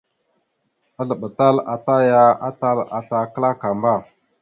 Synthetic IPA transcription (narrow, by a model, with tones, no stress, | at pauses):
a˦ɮə˨ɓə˨ta˦la˨ta˦ja˦a˦ta˦la˨ta˨kə˦la˦ka˨mba˦˨